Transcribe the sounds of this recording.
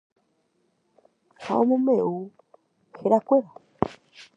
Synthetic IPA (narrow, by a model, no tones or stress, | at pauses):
ha̰omumeu | xiɾakweɾa